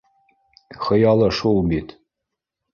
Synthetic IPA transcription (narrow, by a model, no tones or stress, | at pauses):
xɤ̆jɑlˠɤʃulbit̪